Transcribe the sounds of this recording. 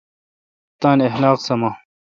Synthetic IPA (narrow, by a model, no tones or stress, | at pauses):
t̪aːnehlaːqsɐmaː